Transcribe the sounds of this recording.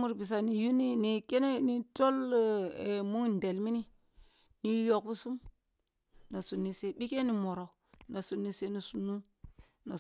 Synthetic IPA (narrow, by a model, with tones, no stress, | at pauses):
mu˦ɾbi˨s̬a˨ni˨ju˦ni˦ni˨ke˦ne˦ni˨to˦lmu˦ŋn˨de˨lmi˦ni˦ | ni˨jo˨kbu˦su˦m | na˨su˨nːi˨se˦ɓi˦ke˦ni˨mo˨ɾo˨ | na˨su˨nːi˨se˦ni˨su˨nːu˦ | na˨